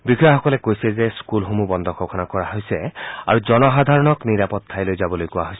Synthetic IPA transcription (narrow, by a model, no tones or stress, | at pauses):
bikʰɔjaxɔkɔlɛkojsɛzɛskulɦomubɔnd̪ʱɔkʰɔkʰɔnakɔɹaɦojsɛa̰ɹuzɔnɔɦad̪ʱaɹɔnɔkniɹapɔt̪ʰːajlojzabɔlojkʊwaɦojsɛ